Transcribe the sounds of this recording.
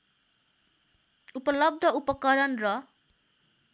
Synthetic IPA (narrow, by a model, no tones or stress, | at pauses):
upʌlʌb̚d̪ʱʌupʌkʌɾʌnrʌ